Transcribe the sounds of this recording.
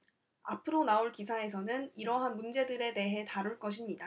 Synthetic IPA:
apʰɯɾonaoɭkisʰae̞sʰʌnɯniɾʌɦanmund͡ʑe̞dɯɾe̞de̞ɦe̞taɾuɭk͈ʌɕʰimɲida

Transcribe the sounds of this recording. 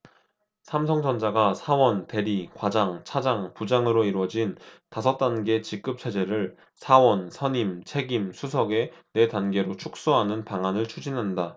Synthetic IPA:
sʰamsʰʌŋd͡ʑʌnd͡ʑaɡasʰawʌnte̞ɾikwad͡ʑaŋt͡ɕʰad͡ʑaŋpud͡ʑaŋɯɾoiɾwʌd͡ʑintasʰʌt͈̚anɡe̞t͡ɕik̚k͈ɯp̚t͡ɕʰe̞d͡ʑe̞ɾɯɭ | sʰawʌnsʰʌɲimt͡ɕʰe̞ɡimsʰusʰʌɡe̞ne̞tanɡe̞ɾot͡ɕʰuk̚s͈uɦanɯnpaŋɦanɯɭt͡ɕʰud͡ʑinɦanda

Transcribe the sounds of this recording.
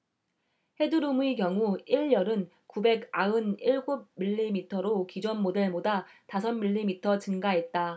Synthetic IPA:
he̞dɯɾumuikjʌŋuiɭjʌɾɯn | kube̞ɡaɯniɭɡub̚miʎːimitʰʌɾokid͡ʑʌnmodeɭmodatasʰʌnmiʎːimitʰʌt͡ɕɯnɡaɦe̞t̚t͈a

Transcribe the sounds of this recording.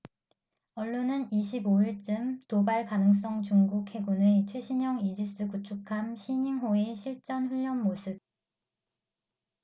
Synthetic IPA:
ʌɭːonɯniɕʰiboiɭt͡ɕ͈ɯmtobaɭkanɯŋs̬͈ʌŋt͡ɕuŋɡukʰhe̞ɡunet͡ɕʰwe̞ɕʰiɲʌŋid͡ʑis͈ɯkut͡ɕʰukʰamɕʰiɲiŋɦoeɕʰiɭt͡ɕ͈ʌnɸuʎːʌnmosʰɯb̚

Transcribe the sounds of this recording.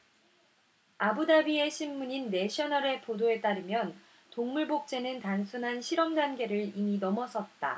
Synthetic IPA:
abudabie̞ɕʰimːuɲinːe̞ɕʰʌnʌɾe̞podoe̞t͈aɾɯmjʌn | toŋmuɭbok̚t͡ɕ͈e̞nɯntansʰunɦanɕʰiɾʌmɡanɡe̞ɾɯɭiminʌmʌsʰʌt̚t͈a̰

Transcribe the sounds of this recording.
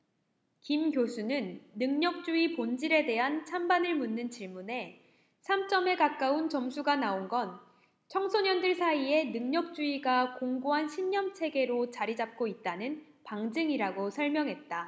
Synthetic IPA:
kimɡjosʰunɯnːɯŋɲʌk̚t͡ɕ͈uipond͡ʑiɾe̞de̞ɦant͡ɕʰambanɯɭmunːɯnt͡ɕiɭmune̞ | sʰamt͡ɕ͈ʌme̞kak͈aunt͡ɕʌmsʰuɡanaonɡʌn | t͡ɕʰʌŋsʰoɲʌndɯɭsʰaie̞nɯŋɲʌk̚t͡ɕ͈uiɡakoŋɡuɦanɕʰimɲʌmt͡ɕʰe̞ɡe̞ɾot͡ɕaɾid͡ʑap̚k͈oit̚t͈anɯn | paŋd͡ʑɯŋiɾaɡosʰʌɭmjʌŋɦe̞t̚t͈a

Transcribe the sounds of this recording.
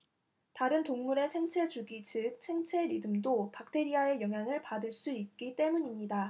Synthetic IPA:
taɾɯntoŋmuɾe̞sʰe̞ŋt͡ɕʰe̞d͡ʑuɡit͡ɕɯk̚sʰe̞ŋt͡ɕʰe̞ɾidɯmdopak̚tʰe̞ɾiae̞jʌŋɦjaŋɯɭpadɯɭs͈uik̚k͈it͈e̞muɲimɲida

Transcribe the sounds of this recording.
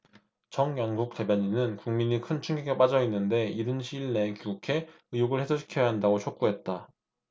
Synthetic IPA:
t͡ɕʌŋjʌnɡuk̚t͈e̞bjʌɲinɯnkuŋmiɲikʰɯnt͡ɕʰuŋɡiɡep͈ad͡ʑʌinːɯnde̞iɾɯnɕʰiɭne̞kiɡukʰe̞ | ɯjoɡɯɭhe̞sʰoɕʰi̥kʰjʌjaɦandaɡot͡ɕʰok̚k͈uɦe̞t̚t͈a

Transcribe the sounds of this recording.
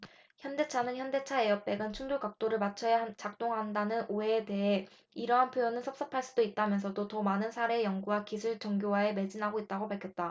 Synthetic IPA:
çjʌnde̞t͡ɕʰanɯnçjʌnde̞t͡ɕʰae̞jʌp̚p͈e̞ɡɯnt͡ɕʰuŋd͡ʑoɡak̚t͈oɾɯɭmat͡ɕʰʌjaɦt͡ɕak̚t͈oŋɦandanɯnʔoeːte̞ɦe̞ | iɾʌɦanpʰjojʌnɯnsʰʌp̚s͈ʌpʰaɭs͈udoit̚t͈amjʌns̬ʰʌdotʌmanɯnsʰaɾe̞ːjʌŋɡuwakisʰuɭt͡ɕʌŋɡjowae̞me̞d͡ʑinɦaɡoit̚t͈aɡopaɭkʰjʌt̚t͈a

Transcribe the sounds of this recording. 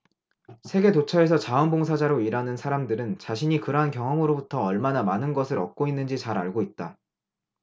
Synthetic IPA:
sʰe̞ɡe̞tot͡ɕʰʌe̞sʰʌt͡ɕaʌnboŋsʰad͡ʑaɾoiɾanɯnsʰaɾamdɯɾɯnt͡ɕaɕʰiɲikɯɾʌɦankjʌŋɦʌŋɯɾobutʰʌːɭmanamanɯnɡʌsʰɯɾʌk̚k͈oinːɯnd͡ʑit͡ɕaɾa̰ɭɡoit̚t͈a

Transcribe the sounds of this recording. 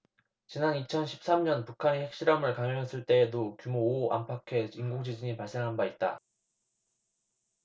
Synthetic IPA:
t͡ɕinanit͡ɕʰʌnɕʰi̥p̚s͈amɲʌnpukʰanehe̞k̚ɕ͈iɾʌmɯɭkaŋʌŋɦʌs͈ɯɭt͈e̞ːdokjumoːa̰mpʰakʰe̞inɡuk̚t͡ɕid͡ʑiɲipaɭs͈e̞ŋɦanbait̚t͈a̰

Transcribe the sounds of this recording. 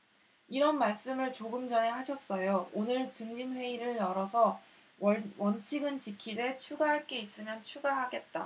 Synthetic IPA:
iɾʌnmaɭs͈ɯmɯɭt͡ɕoɡɯmd͡ʑʌne̞ɦaɕʰʌs͈ʌjoonɯɭt͡ɕɯŋd͡ʑinɸwe̞iɾɯɭjʌɾʌsʰʌ | wʌnt͡ɕʰiɡɯnt͡ɕikʰide̞t͡ɕʰuɡaɦaɭk͈e̞is͈ɯmjʌnt͡ɕʰuɡaɦaɡe̞t̚t͈a̰

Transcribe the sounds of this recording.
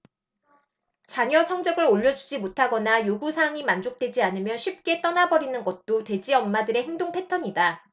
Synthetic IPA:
t͡ɕaɲʌsʰʌŋd͡ʑʌɡɯɾoʎːʌd͡ʑud͡ʑimotʰaɡʌnajoɡusʰaŋimand͡ʑok̚t͈we̞d͡ʑianɯmjʌnɕʰip̚k͈e̞t͈ʌnabʌɾinɯnɡʌt̚t͈otwe̞d͡ʑiʌmːadɯɾe̞heŋdoŋpʰe̞tʰʌɲida

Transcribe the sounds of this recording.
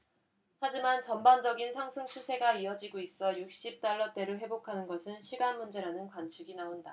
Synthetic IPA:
had͡ʑimant͡ɕʌmband͡ʑʌɡinsʰaŋsʰɯŋt͡ɕʰusʰe̞ɡaiʌd͡ʑiɡois͈ʌjuk̚ɕ͈ip̚t͈aɭːʌt͈e̞ɾoɦwe̞bokʰanɯnɡʌsʰɯnɕʰiɡanmund͡ʑe̞ɾanɯnkwant͡ɕʰiɡinaonda

